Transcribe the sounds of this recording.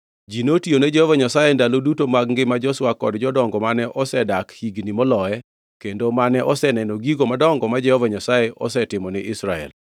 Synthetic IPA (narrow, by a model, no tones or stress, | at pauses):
d͡ʒinotioned͡ʒɛhɔvaɲasajendalodutomaɡŋɡɪmad͡ʒɔswakɔdd͡ʒɔdɔŋɡɔmanɛʔɔsɛdakhiɡnimɔlɔɛ | kendomanɛʔɔsɛnɛnoɡiɡomadɔŋɡɔmad͡ʒɛhɔvaɲasajeʔɔ̰sɛtɪmɔnɪʔɪsɾaɛ̰l